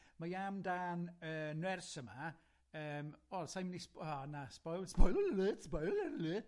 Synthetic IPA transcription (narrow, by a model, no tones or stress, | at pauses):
majamdaːnəːnwɛrsəma | əːmɔlsajmnispanaspɔjspɔjllɪsbɔjlɛɾli